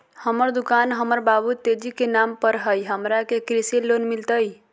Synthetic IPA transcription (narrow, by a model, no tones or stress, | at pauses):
həməɾd̪ukanɦəməɾbabut̪ed͡ʒikenampəɾɦəjɦəmɾakekɾisilonmilt̪əj